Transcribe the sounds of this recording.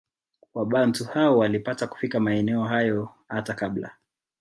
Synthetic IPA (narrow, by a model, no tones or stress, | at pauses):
waɓantuhaɔwalipataku̥fikamaɛnɛɔɦajɔhatakabla̰